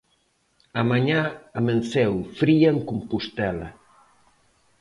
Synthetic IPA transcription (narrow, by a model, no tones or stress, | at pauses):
amaɲaamensɛwfɾiaŋkumpust̪ɛlɐ